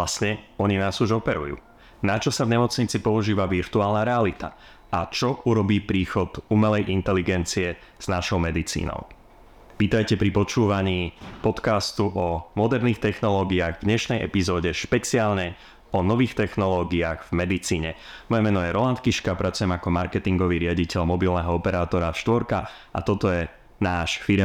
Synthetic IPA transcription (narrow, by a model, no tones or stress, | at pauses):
lasɲɛɔɲinaːzuʒɔpɛɾṵjṵː | nat͡ʃɔsavɲɛmɔt͡sɲit͡sipɔuʒiːʋaʋiɾt̪uaːlnaɾɛalit̪a̰ | at͡ʃɔuɾɔbiːpɾiːxɔd̪umɛlɛjʔint̪ɛliɡɛnt͡siɛ | z̥naʃɔʊmɛd̪it͡sḭːnɔ̰ʊ | ʋiːt̪ajcɛpɾipɔt͡ʃuːʋaɲiːpɔt̪kast̪uʔɔmɔd̪ɛɾniːxt̪ɛxnɔlɔːɡiaːɣvdɲɛʃnɛjʔɛ̰pizɔːɟɛʃpɛt͡siaːlɲɛ | ɔnɔʋiːxt̪ɛxnɔlɔːɡiaːɣvmɛd̪it͡siːɲɛmɔjɛmɛnɔjɛɾɔlant̪kiʃkapɾat͡sujɛmakɔmaɾkɛt̪iŋɡɔʋiːɾɪaɟicɛʎmɔbilnɛɦɔɔpɛɾaːt̪ɔɾaʃt̪ʋɔɾka | ʔa̰t̪ɔt̪ɔjɛ | naːʃfiɾɛ